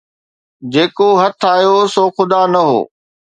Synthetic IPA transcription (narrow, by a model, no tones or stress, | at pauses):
d͡ʑeːkoɦɐt̪ʰaːjosoːxʊd̪anɐɦo̰ː